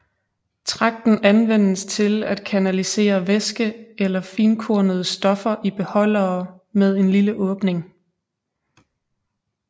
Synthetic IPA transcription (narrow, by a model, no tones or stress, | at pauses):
t͡sʰʁɑ̈ɡ̥̚d̥n̩ænʋen̰əst͡sʰe̝læd̥kʰænælise̝̰ːɐʋesɡ̥əelɐfiːnkʰoɐ̰nəð̞̩ˠəsd̥ɒ̽fɐʔib̥e̝hɒ̽l̰ɐː | með̞ˠe̝nliləʔɔ̽ːb̥ne̝ŋ